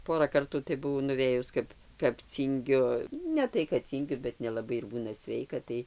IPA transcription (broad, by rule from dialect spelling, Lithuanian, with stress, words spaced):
ˈpoːrɐ ˈkɐrtuː tɐɪ bʊˈʋɐʊ nʊˈʋʲeːjʊs ˈkɐp kɐp ˈt͡sʲiːŋʲɡʲʊ ˈnʲɛ tɐɪ kɐt ˈt͡sʲiːŋʲɡʲʊ bʲɛt nʲɛlˠɐˈbɐɪ ɪr ˈbuːnɐ ˈsʲʋʲɛɪkɐ ˈtɐɪ